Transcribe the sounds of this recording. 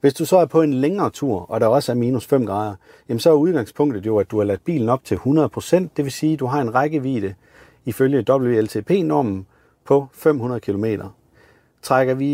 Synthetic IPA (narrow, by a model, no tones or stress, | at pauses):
ʋe̝sd̥usɒ̽æɐpʰɒ̽e̝nleŋɐːt͡sʰuɐ̰ɒ̽ɾɑ̈ɒ̽səæɐmiːnusfem̰ɡ̥ʁɑ̈ːð̞ˠɐ | jæmn̩sɒ̽æɐuð̞ˠɡ̥ɑ̈ŋ̰spʰɔ̽ŋ̰d̥ð̩ˠjo̝æd̥uhɑ̈læd̥̚b̥ḭːln̩ɒ̽b̥̚t͡sʰe̝lhunɐðˠpʰʁo̝sen̰d̥d̥e̝ʋe̝siːd̥uɦɑ̈e̝nʁɑɪɡ̥əʋḭːd̥ə | iføljəd̥ɒ̽b̥l̩ʋe̝elt͡sʰe̝̰ːpʰe̝̰ːnɒɐ̰mn̩ | pʰɒ̽fem̰hunɐðˠkʰilo̝me̝̰ːɾ̥ɐ | t͡sʰʁaɡ̥ɐʋi